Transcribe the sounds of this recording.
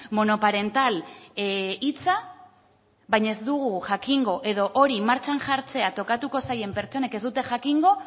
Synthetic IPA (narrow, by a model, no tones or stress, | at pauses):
mo̞no̞paɾe̞nt̪al | it͡sa | βajɲaezd̪uɣuʝakiŋɡo̞ʔe̞ðo̞ʔoɾimaɾt͡ʃanʝaɾt͡se̞at̪o̞kat̪uko̞saje̞mpe̞ɾt͡ʃo̞ne̞ke̞zd̪ut̪e̞ʝakiŋɡo̞